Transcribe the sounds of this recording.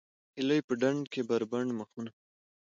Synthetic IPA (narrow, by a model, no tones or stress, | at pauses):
ɪləjpəɖaɳkebaɾbaɳɖməxuna